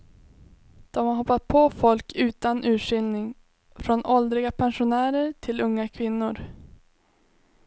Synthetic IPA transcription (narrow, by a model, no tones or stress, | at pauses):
d̪̥ɔmhaɾɦɔpːat̪̚pʰɔfɔlkʰʉ̟ːt̪anʔʉ̟ːʂʏlnɪŋ | fɾɔnɔld̪ɾɪɡapʰɛnʂʊnæːɾəɾʈʰɪlɵŋːakʰvɪnːʊɾ